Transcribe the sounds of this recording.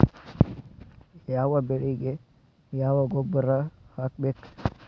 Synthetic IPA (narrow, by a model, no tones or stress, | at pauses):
jawabeɽiɡe | jawaɡobəɾahak̚bek